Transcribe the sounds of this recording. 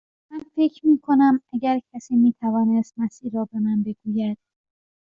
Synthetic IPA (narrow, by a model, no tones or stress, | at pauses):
mænfe̞cʰɾmiːkʰo̞næmæɟæɾcʲʰæsiːmiːt̪ʰævɒːnest̪̚mæsiːɾɒːbemænbe̞ɡ̥uːjæd̪̥̚